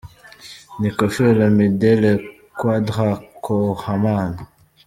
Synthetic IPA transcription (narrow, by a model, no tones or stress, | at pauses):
nikofələmedɛlə | kwadʁakʰohaman